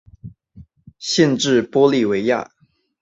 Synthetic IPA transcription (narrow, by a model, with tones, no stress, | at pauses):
ɕɛ˥˧nʈ͡ʂɻ̩˥˩pwɔ˥li˥˩we˧˥ɪja̰˥˩